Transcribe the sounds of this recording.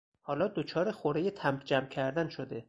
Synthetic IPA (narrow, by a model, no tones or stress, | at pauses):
hɒːlɒːd̪ot͡ʃʰɒːɾexoɾejet̪ʰæmd͡ʒæmcʰæɾd̪ænʃod̪e